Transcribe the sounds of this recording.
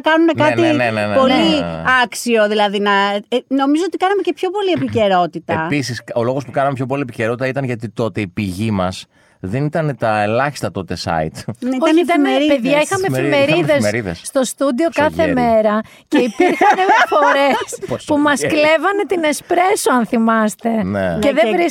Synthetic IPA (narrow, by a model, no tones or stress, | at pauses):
ɐkɐnune̞kɐninenenepo̞liɐksio̞ðilɐðinɐno̞mizo̞ot̪ikɐnɐme̞ce̞pço̞po̞lie̞pice̞ɾo̞t̪it̪ɐepisiso̞lo̞ɣo̞spukɐnɐmepʰço̞p̬o̞lie̞piceɾot̪it̪ɐit̪ɐnʝɐt̪it̪o̞t̪eipiʝimɐs | ðenit̪ɐnet̪ɐelɐçi̥st̪ɐt̪o̞t̪e̞sɐ̰ḭt̪ioɐçit̪ɐnɾipeðʝɐixɐmeemeɾiðesmeɾiðḛsst̪o̞st̪ud̪io̞kɐθe̞me̞ɾɐ | ce̞ipiɾxɐnefoɾespumɐskle̞vɐne̞t̪inespɾe̞soɐnθimɐst̪e̞neceðevɾi